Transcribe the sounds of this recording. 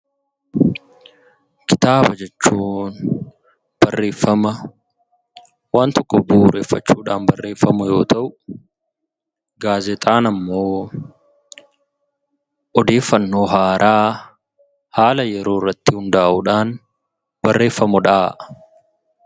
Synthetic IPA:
kɪ̥t̪aːbɐd͡ʒɛt͡ʃːuːn | b̥ɐrːe̞ːfːɐmɐ | waːnt̪ɔkːɔbuːɾeːfːɐt͡ʃːuːᶑaːnbɐrːe̞ːfːɐmʊjo̞ːt̪ʰɐʔʊ | ɡaːzɛt̪ʼaːnɐmːo̞ː | ʔɔd̪e̞ːfːɐnːo̞ːɦaːɾʔaː | haːlɐjɛɾo̞ːrːɐt̪ːɪhʊnd̪aːʔʊᶑaːn | bɐrːe̞ːfːɐmʊᶑaː

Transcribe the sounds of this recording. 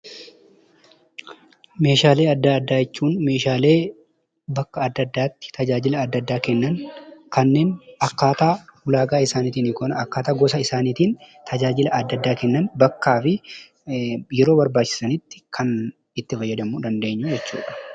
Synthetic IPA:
me̞ːʃaːle̞ːɐd̪ːaɐd̪ːaːjɛt͡ʃːuːnme̞ːʃaːle̞ː | bɐkːɐɐd̪ːɐd̪ːaːt̪ːɪ̥t̪ʰɐd͡ʒaːd͡ʒɪlɐːd̪ːɐd̪ːaːkɛnːɐnkɐnːe̞ːnɐkːaːt̪aːwʊlaːɡaːɪsaːniːt̪iːnɪkɔnɐɐkːaːt̪aːɡɔsɐɪsaːniːt̪iːnt̪ʰɐd͡ʒaːd͡ʒɪlɐɐd̪ːɐd̪ːaːkɛnːɐnbɐkːaːfɪ | jɛɾoːbɐɾbaːt͡ʃːɪ̥sɐnɪt̪ːɪ̥kʰɐn | ɪt̪ːɪfɐjːɐd̪ɐmud̪ɐnd̪e̞ːɲːʊd͡ʒɛt͡ʃːṵːᶑɐ̥

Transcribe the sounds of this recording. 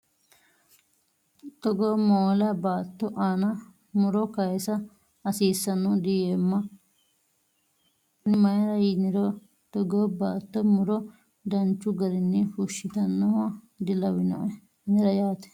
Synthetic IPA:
t̪ɔɡoːmoːlɐbaːt̪ːɔʔaːnɐ | mʊɾɔkɐjsɐ | ɐsiːsːɐnːɔd̪ɪjeːmːɐ | nɪmɐjɐɾɐjɪnɪɾɔ | t̪ɔɡoːbaːt̪ːɔmʊɾɔ | d̪ɐnt͡ʃːʊɡɐɾɪnːɪfuʃɪt̪ɐnːɐwɐ | d̪ɪlɐwɪnɐ̰ | nɪɾɐjaːt̪ɛ̥

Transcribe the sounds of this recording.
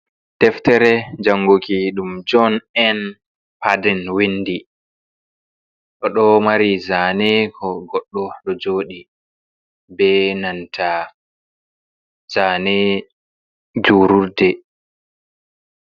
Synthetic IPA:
tɛftɛɾɛd͡ʒaŋːɡokiɗumd͡ʒɔnɛn | padɛnwindi | ɗɔɗɔmaɾizaːnɛkʰɔɡɔɗːɔɗɔd͡ʒoːɗi | bɛnantʰa | z̥aːnɛ | d͡ʒuːɾuɾdɛ

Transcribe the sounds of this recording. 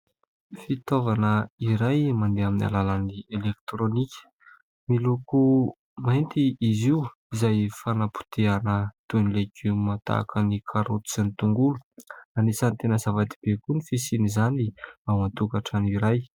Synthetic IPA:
fit̪ovanəiɾajmand̪eamina̰lalanielekt̪ɾonikʲə̥ | miluku | majnt̪iiziu | izajfanapu̥t̪eanət̪enileɡiumat̪a̰kʰənikʰaɾot̪u̥zanit̪uŋɡuluanisanit̪enəzavat̪i̥b̥ekunifisinizaniawmat̪ukaʈ͡ʂaniɾaj

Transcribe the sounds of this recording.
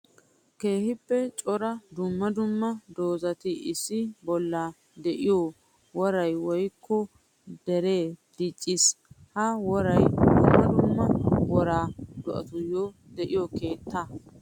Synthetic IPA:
ke̞ːhɪpːɛt͡ʃʼɔɾɐd̪ʊmːɐd̪ʊmːɐd̪o̞ːzɐt̪ɪʔɪsːɪbɔlːa | d̪ɛʔɪjoː | wɔɾɐjwɔjkʰːɔ | d̪ɛɾeːd̪̥ɪt͡ʃʼːɪshɐwɔɾɐjd̪ʊmːɐd̪ʊmːɐwɔɾaːd̪ʊʔɐ̰t̪ʊjːo | d̪ɛʔɪjɔke̞ːt̪ːa

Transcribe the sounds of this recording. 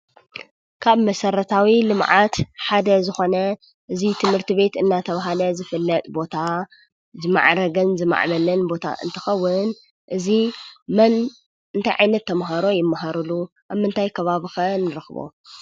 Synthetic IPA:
kʰaβmɐsɐɾɐt̪ʰawilɨmʕat̪ħad̪ɐzɨxo̞nɐ | ʔɨzit̪ʰɨmhɨɾt̪ʰiβe̞t̪ɨnːat̪ʰɐβaɦalɐzɨfɨlːɐt̪ʼbo̞t̪ʰa | zɨma̰ʕɾɐɡɐnzɨma̰ʕmɐlɐnbo̞t̪ʰa̰ʔɨ̰nt̪ʰɨ̥xɐwːʊn | ʔɨzimɐn | ɨnt̪ʰajʕa̰jnɐt̪ʰːɐmɦaɾo̞jɪmːaɦaɾɨlu | ʔaβmɨnt̪ʰajkʰɐβaβɨxɐnɨɾɨxβo̰

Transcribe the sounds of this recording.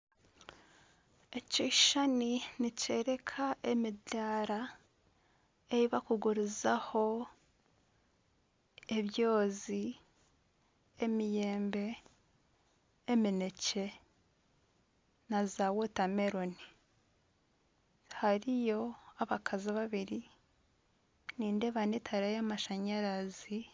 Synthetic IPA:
e̞ciʃaninice̞ɾe̞kʰaʔe̞midaːɾa | e̞ɾiβakuɡuɾizaho̞ | eβjo̞ːzi | mije̞ːmbe̞ | minece̞ | nazawotame̞ɾo̞ni | haɾijo̞aβakʰaziβaβiɾi | niːnde̞βanetʰaɾajamaʃaɲaɾazi

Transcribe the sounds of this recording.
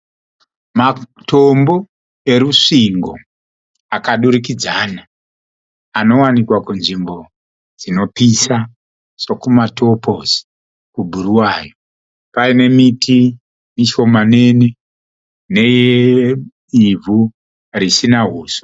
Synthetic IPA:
mato̞mbo̞ | e̞ɾuʂiŋɡo̞̰ | akaɗuɾikid͡zaːna | ano̞wanikwakunʐimbo̞ | d͡zino̞pisa | sokumato̞pozi̥ | kubʱuɾuwaːjo | paine̞miti | miʃo̞mane̞ni | ne̞je | ivʱu | ɾisinaɦuːso̥

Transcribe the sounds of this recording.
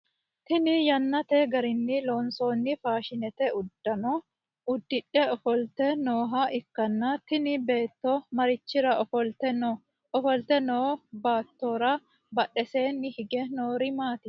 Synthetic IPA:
t̪ɪnɪjɐnːɐt̪eɡɐɾɪnːɪlo̞ːnso̞ːnːɪfaːʃɪnɛt̪ɛʊd̪ːɐnɔ | ʊd̪ːɪᶑːɛɔfɔlt̪ɛnoːɦaʔɪkːɐnːɐt̪ɪnɪbe̞ːt̪ːɔmɐɾɪt͡ʃːɪɾɐʔɔfɔlt̪ɛno | ɔfɔlt̪ɛnoːbaːt̪ːoːɾɐ | bɐᶑɛse̞ːnːɪhɪɡɛnoːɾɪmaːt̪ɪ

